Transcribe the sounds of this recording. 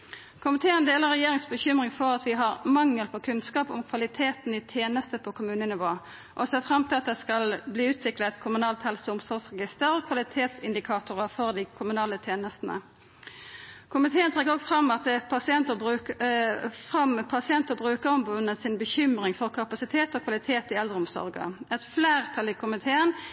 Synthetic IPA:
kʰʊmɪt̪ʰeːənd̪eːləʁɛjeːʁɪŋsbəçʏmʁɪŋfɔʁɑt̪ʋɪɦɑʁmɑŋːəlpʰɔkʰʉnskɑːpʊmkʰʋɑlɪt̪ʰeːt̪nɪt̪ʰjeːnəst̪əpʰoːkʰʊmʉːnənɪʋoː | ʔɔseːfʁɑmt̪ʰɪlɑt̪̚d̪ɛskɑlbliːʉːt̪ʰʋɪklət̪kʰʊmʉnɑːlt̪hɛlsʊmsɔʁsʁɛɡɪst̪əʁɔkʰʋɑlɪt̪ʰeːt̪sɪnd̪ɪkʰɑːt̪ʊʁəfɔʁd̪ɪkʰʊmʉnɑːlət̪ʰjeːnəst̪nə̰ | kʰʊmɪt̪ʰeːənt̪ʰʁɛɡəʁɔɡfʁɑmːɑt̪̚d̪ɛpʰɑsɪɛnt̪əbʉ | fʁɑmpʰɑsɪɛnt̪əbʁʉːkəʁɔmbʊnəsɪnbəçʏmʁɪŋfɔʁkʰɑpɑsɪt̪ʰeːt̪ɔkʰʋɑlɪt̪ʰeːt̪ɪɛld̪ʁəʊmsɔ̰ʁɡə̰ɛt̪fleːʁt̪ʰɑlɪkʰʊmɪt̪ʰeːən

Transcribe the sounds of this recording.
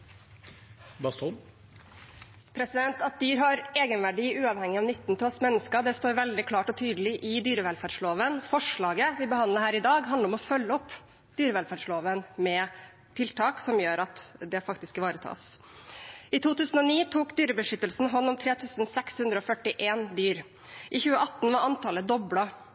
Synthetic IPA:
bɑst̪ʰu | pʰɾɛsɪd̪ɛnt̪ɑt̪̚d̪yːɾɦɑɾeːɡənʋæɖiːʉːɑʋhɛŋɪɑʋnʏt̪ːnt̪ʰɪlɔsmɛnːəskəd̪ɛst̪oːɾʋɛld̪ɪkʰlɑːʈɔt̪ʰyːd̪əlɪʔɪd̪yːɾəʋɛlfæːɖʂɭoːʋənfɔʂɭɑːɡəʋɪbəhɑnd̪əɾhæːɾɪd̪ɑːɡɦɑnəɾɔmɔfœlːəɔp | d̪̥yːɾəʋɛlfæːɖʂɭoːʋənmɛ | t̪ʰɪlt̪ʰɑːksɔmjøːɾɑt̪d̪ɛfɑk̚t̪ɪskʋɑːɾət̪ʰɑ̰ːs | ɪt̪ʰuːt̪ʉːsn̩ɔniːt̪ʰuːkd̪yːɾəbəʂʏt̪ːəlsn̩ɦɔnːɔmt̪ʰɾeːt̪ʰʉːsn̩sɛkshʉnd̪ɾəɔfœʈɪʔeːnd̪yːɾ | ʔɪçʉːəʔɑt̪ːn̩ʋɑɾɑnt̪ʰɑləd̪ɔblɑ

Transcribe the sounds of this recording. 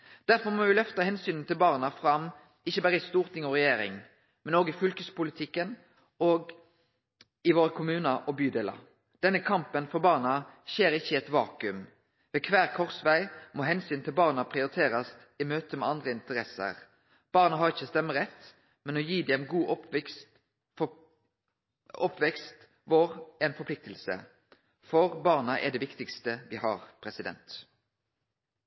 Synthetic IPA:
d̪̥æɾfɔɾmɔʋɪlœft̪əhɛnsyːnn̩t̪ʰɪlbɑːʁnɑfʁɑm | ɪçːəbæːɾəɪst̪uːʁt̪ʰɪŋɔʁɛjeːɾɪ̰ŋ | mɛnoːɡɪfʏlkəspʊlɪt̪ʰɪkːən | oːɡ | ɪʋoːɾəkʰʊmʉːnəʔɔbyːd̪eːlɑ̰ | d̪̥ɛnːəkʰɑmpənfɔʁbɑːʁnɑçeːɾɪçːəɛt̪ʋɑːkʉm | ʋɛːkʰʋæːʁkʰɔʁsʋæɪmoːɦɛnsyːnt̪ʰɪlbɑːʁnɑpʰʁɪʊɾɪt̪ʰeːɾɑs | ɪmøːt̪əmɛɑnd̪ʁəɪnt̪əɾɛsə̰ʁ | b̥ɑːʁnɑɦɑʁɪçːəst̪ɛmːəʁɛt̪ː | mɛnɔjiːd̪ɛnɡuːʔp | ɔpːʋɛkst̪ | ʋoːʁɛnfɔpʰlɪk̚t̪əlsə̰ | fɔʁbɑːʁnɑʔɛ̰ɖ̪ɛʋɪkt̪ɪkst̪əʋɪhɑ̰ːɾpʰɾɛsɪd̪ɛ̰nt̪

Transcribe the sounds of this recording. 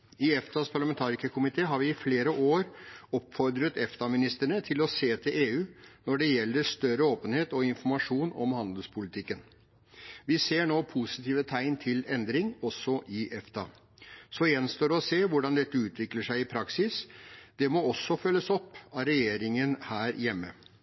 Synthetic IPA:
ɪɛft̪ɑspʰɑɭɑmɛnt̪ʰɑːɾɪkəkʰʊmɪt̪ʰeːɦɑɾʋɪɪfleːɾəʔoːɾɔpːfɔɾd̪ɾət̪ɛft̪ɑmɪnɪst̪əɳət̪ʰɪlɔseːt̪ʰɪlʔeːʉːnɔɖɛjɛlːəʂt̪œɾəoːpənheːt̪ɔɪnfɔɾmɑʂuːnɔ̰mhɑnd̪əlspʰʊlɪt̪ʰɪkːən | ʋɪseːɳoːpʰʊsɪt̪ʰiːʋət̪ʰæɪnt̪ʰɪlɛnd̪ɾɪŋɔsːɔʔɪʔɛft̪ɑ̰ | sɔjɛnst̪oːɾɔseːʋʊɖɑnd̪ɛt̪ːəʉːt̪ʰʋɪkləʂæɪɪpʰɾɑksɪsd̪ɛmɔɔsːɔfœlːəsɔpːɑɾɛjeːɾɪŋənhæːɾjɛmːə̰

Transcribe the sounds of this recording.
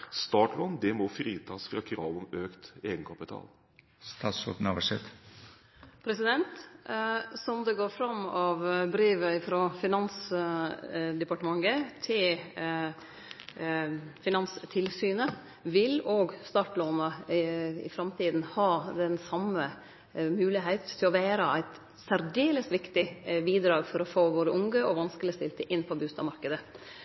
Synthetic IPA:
st̪ɑːʈlɔnd̪ɛmɔfɾiːt̪ʰɑːsfɾɑkʰɾɑːʋɔmøːkt̪eːɡənkʰɑpɪt̪ʰɑ̰ːl | st̪ɑːt̪sɔʈn̩ɑʋəʂɛt̪ | pʰɾɛsɪd̪ɛnt̪ | sɔmd̪ɛɡoːɾfɾɑmːɑʋbɾiːʋəɪfɾɔfɪnɑns | d̪ɛpɑʈəmɑŋːət̪ʰɪl | fɪnɑnst̪ʰɪlsyːnə | ʋɪloːɡst̪ɑːʈloːnə | ɪ̰fɾɑmt̪ʰiːd̪n̩hɑːd̪ɛnsɑmːə | mʉːlɪɦeɪt̪ʰːɪlɔʋæːɾəæɪt̪ | sæɾɖeːləst̪ʋɪkt̪ɪbiːd̪ɾɑːɡfɔɾɔfoːʋoːɾəʔʊŋɡəɔʋɑnskəlɪəst̪ɪlt̪əʔɪnːpʰɔbʉːst̪ɑmɑɾkəd̪ə

